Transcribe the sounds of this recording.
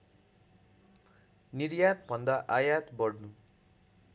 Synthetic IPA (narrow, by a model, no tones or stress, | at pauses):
niɾjat̪bʱʌnd̪aʔajat̪bʌɽnu